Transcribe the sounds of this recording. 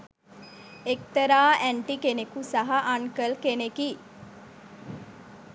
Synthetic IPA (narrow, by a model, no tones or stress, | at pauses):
ek̚t̪ɐɾaːʔæɳʈikenekusɐɦɐʔaŋkəlkeneki